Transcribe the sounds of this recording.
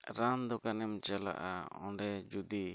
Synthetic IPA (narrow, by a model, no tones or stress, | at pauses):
ɾamd̪ɔkanɛmt͡ʃala̰ʔa̰ɔ̰̃ɳɖɛd͡ʒud̪i